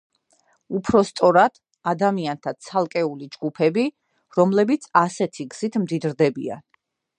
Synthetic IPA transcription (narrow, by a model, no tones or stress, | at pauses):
upʰɾɔst̪sʼɔɾad̪̥ | ad̪amiant̪ʰat̪sʰalˠkʼɛulid͡ʒɡupʰɛbi | ɾɔmlɛbit̪sʰasɛt̪ʰiɡz̥it̪ʰmd̪id̪ɾd̪ɛbḭa̰n